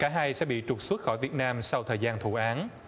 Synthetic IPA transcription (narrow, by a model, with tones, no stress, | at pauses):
kaː˧˩ɦaː˧jsɛ̰˧˥ɓḭ˧˨t͡ɕʊ˨˩k͡p̚swə˦˥t̚xɔ˧˩jvi˨˩t̚naː˧msa˧wt̪ʰəː˨˩jzaː˧nt̪ʰu˧˩ʔaː˨˦n